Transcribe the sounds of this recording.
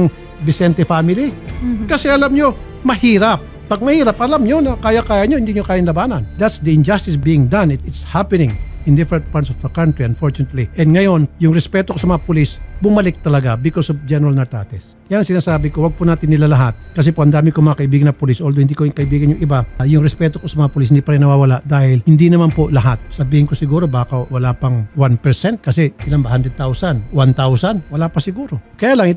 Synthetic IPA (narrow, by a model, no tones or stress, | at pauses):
ŋ | bɪsɛnt̪ɛfamɪlikɐsɛɐlamɲo̞ | mɐhiːɾap̚ːɐɡ̚mɐhiːɾɐp̚ʔɐlamɲonɐkaːjɐkaːjɐɲoɪnd̪iɲokaːjɐnlɐbaːnɐnd̪at̪sd̪ɐɪnd͡ʒast̪ɪsbiːɪŋd̪anɪt̪ɪt̪shapɛnɪ̃ŋɪnd̪ɪfɛɾɛnt̪̚paɾt̪sofd̪ɐkant̪ɾiɐnfoɹt͡ʃʊnɐt̪liʔɛnd̪ŋɐjo̞njʊŋɾɛspɛt̪okosɐmɐŋapʊlisbʊmɐlɪk̚t̪ɐlɐɡabɪkosofd͡ʒɛnɛɾalnɐɹt̪a̰t̪ɛs | janɐŋsɪnaːsaːbɪkowɐɡ̚pʊnaːt̪ɪnːɪlalɐɦat̪̚kɐs̬ɛpoʔhɐnd̪aːmɪkomɐakɐʔɪbiːɡɐnɐpʊlisʔold̪ohɪnd̪ikoɪŋkɐʔɪbiːɡɐnjʊŋʔɪbajʊŋɾɛspɛːt̪oko̞sɐmɐŋapʊlis̬hɪnd̪ipɐɾɪŋnɐwaːwɐlaʔd̪aːhɪlhɪnd̪inɐmanpolɐɦat̪̚sɐbiːhɪnŋkosɪɡuːɾo̞baːkɐwɐlaːpɐŋwanpɛɹsɛnt̪̚kɐsɛɪlambɐhand̪ɾɛd̪̚t̪awsɐnwant̪awsɐnwɐlapɐsɪɡuːɾokɐjaːlɐŋɪ